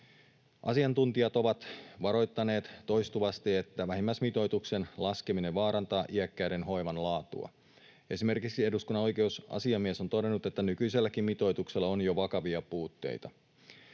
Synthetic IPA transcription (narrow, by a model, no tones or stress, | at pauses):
ʔɑ̰siɑnt̪unt̪iɑt̪o̞ʋɑt̪ʋɑɾo̞jt̪ːɑne̞ːt̪tːo̞jst̪uʋɑst̪ie̞t̪ːæʋæɦimːæsmit̪o̞jt̪ukse̞nlɑskemineʋʋɑːɾɑnt̪ɑːʔiækːæɥde̞nɦo̞jʋɑnlɑːt̪ṵɑ̰ | e̞sime̞rkiksie̞duskunːɑno̞jke̞usɑ̰siɑmːiæso̞nt̪o̞de̞nːut̪e̞t̪ːænykyise̞lːækimmit̪o̞jt̪ukselːɑonjoʋɑkɑʋiɑpuːt̪ːe̞̰jt̪ɑ